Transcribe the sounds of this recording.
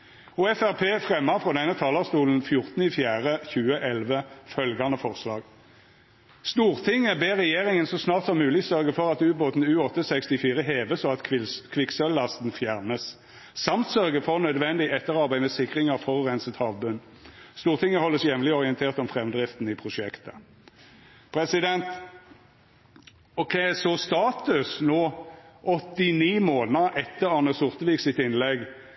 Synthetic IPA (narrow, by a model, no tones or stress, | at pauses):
uːɛfæʁpʰeːfʁɛmːɑʁfʁɔd̪ɛnːət̪ʰɑːlɑʁst̪uːln̩fjʊʁt̪n̩ɪfjæːʁəçʉːəʔɛlʋəfœlɡɑnəfɔʁslɑ̰ːɡ | st̪uːʁt̪ʰɪŋəbeːʁɛjeːʁɪŋənsɔsnɑːʁt̪sɔmʉːlɪsœʁɡəfɔʁɑt̪ʉːboːt̪n̩ʉːɔt̪ːəsɛkst̪ɪfiːʁəɦeːʋəsɔɑt̪kʰʋɪksœllɑst̪n̩fjæʁnəs | sɑmt̪sœʁɡəfɔʁnœd̪ʋɛnd̪ɪɛt̪ːəʁɑʁbæɪmɛsɪkʁɪŋəʁfɔʁʉːʁɛnsət̪hɑːʋbʉn | st̪uːʁt̪ʰɪŋːəhɔlːəsjɛʋlɪɔʁɪənt̪ʰeːʁt̪ɔmfʁɛmd̪ʁɪft̪n̩ɪpʰʁʊʃɛkt̪ə̥ | pʰɾɛsɪd̪ɛnt̪ | ɔkʰɛɪsɔst̪ɑːt̪ʉsnoːʔɔt̪ːɪniːmoːnəʔɛt̪ːəʁɑnəsʊʁt̪əʋiksɪt̪ɪnlɛɡ